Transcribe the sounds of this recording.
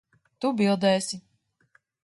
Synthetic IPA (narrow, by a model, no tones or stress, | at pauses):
t̪ubilˠd̪ɛːsʲi